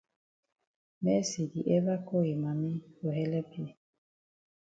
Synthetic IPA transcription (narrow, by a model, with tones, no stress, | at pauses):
mɛ˦si˨di˨ʔɛ˦βa˦ko˦˨i˨ma˨mi˦o˨ɦɛ˦lɛ˦pi˦˨